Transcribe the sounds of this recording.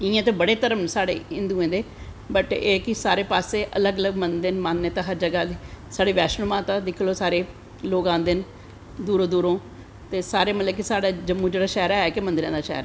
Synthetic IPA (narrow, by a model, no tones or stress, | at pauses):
ɪãːt̪eːbəɽeːt̪əɾəmsaːɽḛːɪ̃nd̪uːẽːd̪eː | bəʈeːkɪsaːɾeːpaːseːʔə̰ləɡələɡmənd̪enmaːnːeːt̪ãːɦəɾd͡ʒəɡaːd̪iːsaːɽeːʋɛːʃnəmãːt̪ãːd̪ɪkʰloːsaːɾeː | loːɡãːnd̪en | d̪uːɾõːd̪uːɾõː | t̪eːsaːɾeːmət̪ləkɪsaːɽaːd͡ʒəmːũːd͡ʒeːɽaːʃɛːɾaːɛːkɪmə̃nd̪ɾã̰ːd̪aːʃɛ̰ːɾaː